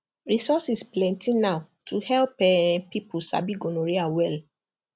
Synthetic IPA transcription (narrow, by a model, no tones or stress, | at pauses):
ɹisɔsisplɛ̃ntʰĩnaʊ | tʰuhɛlpɛpipusa̰biɡonoɹiawɛl